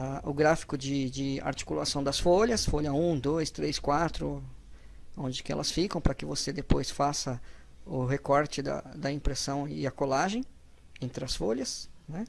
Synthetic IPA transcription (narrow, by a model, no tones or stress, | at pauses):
aʊɡɾafi̥kʊd͡ʒɪd͡ʒɪa̰ɾt͡ʃi̥kulasɐ̃w̃d̪ɐsfoʎɐsfoʎɐũd̪ojst̪ɾeskwat̪ɾʊ | õnd͡ʒɪkɪɛ̰lɐsfikɐ̃w̃pɾɐkɪvosed̪epojsfasɐ | ʊɦekɔɾt͡ʃɪd̪ɐ̰d̪ɐĩpɾesɐ̃w̃ɪɐkolaʒẽj̃ | ẽnt̪ɾɪɐsfoʎɐsnɛ